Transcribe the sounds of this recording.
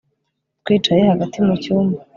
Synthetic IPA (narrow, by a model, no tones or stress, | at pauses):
twiːt͡ʃaje̞haɡatimucuːmba